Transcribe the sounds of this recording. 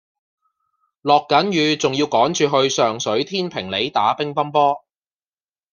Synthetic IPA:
lɔː˨kːɐ˨˥njyː˨˧t͡sʊ˨ŋjiː˧wkɔː˨˥ŋt͡ʃyː˨ɦɵ˧ɥsœː˨˩ŋsɵ˨˥ɥt̪ʰiː˥npʰɪ˨˩ŋle˨˥jt̪aː˨˥pɪ˥ŋfɐ˥npɔː˥

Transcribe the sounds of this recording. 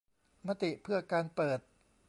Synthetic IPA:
ma˧t̪i˨˩ʔpʰɯ˥˩ɐkaː˧npɤː˨˩t̪̚

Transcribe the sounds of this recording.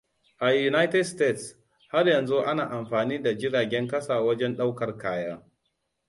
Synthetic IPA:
ʔa˨ju˨na˦jtɛ˦dsteː˦ts | ha˦rjɐ˨nzu˦ʔa˦naː˨ʔa˨mɸaː˨niː˦da˨d͡ʒɪ˦ɽaː˨ɡʲɛ˦ŋkɐ˦saː˨wɐ˦d͡ʒɛ˦nɗa˦wkɐ˨rkaː˦jaː˦

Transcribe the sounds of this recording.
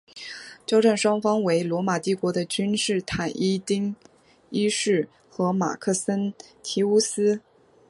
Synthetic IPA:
t͡ɕjɑ˥ʊʈ͡ʂa˥˩nʂwɑ˥ŋfɑ˥ŋwe˧˥ɪlwɔ˧˥ma˨˩t̪i˥˩kwɔ˧˥d̪ə˧t͡ɕy˥nʂɻ̩˥˩t̪ʰa˨˩nʔi˥t̪i˥ŋ | i˥ʂɻ̩˥˩ | xɤ˧˥ma̰˨˩kʰɤ˥˩sə˥nt̪ʰi˧˥u˥sɹ̩˥

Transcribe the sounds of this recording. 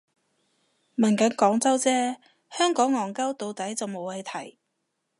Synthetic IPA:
mɐ˨˩nkɐ˨˥nkɔː˨˥ŋt͡sɐ˥wt͡sɛː˥ | hœː˥ŋkɔː˨˥ŋːɔː˨˩ŋkɐ˥wt̪o˨˧wt̪ɐ˨˥jt͡sɐ˨wmo˨˧wɐ˨˧jt̪ʰɐ˨˩j

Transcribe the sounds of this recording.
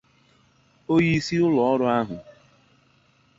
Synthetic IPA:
o˦ji˦si˦ʊ˦lɔ˨ɔ˦ɾʊ˦a˦ɦʊ̰˨

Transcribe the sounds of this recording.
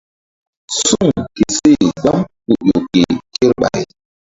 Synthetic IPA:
su˦˨ŋke˨se˦˨ɡa˦mku˨jo˨ke˨ke˦ɾɓa̰˨j

